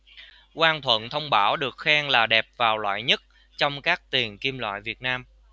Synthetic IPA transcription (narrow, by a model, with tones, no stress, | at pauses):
kwaː˧nt̪ʰwə̰˧˨nt̪ʰə˧wŋ͡mɓaː˧˦wɗɨ˨˩ək̚xaː˧ŋlaː˨˩ɗɛ˨˩p̚vaː˨˩wlwa̰ː˧˨jɲə˦˥t̚ | t͡ɕɔ˧wŋ͡mkaː˦˥k̚t̪i˨˩ənki˧mlwa̰ː˧˨jvi˨˩ət̚naː˧m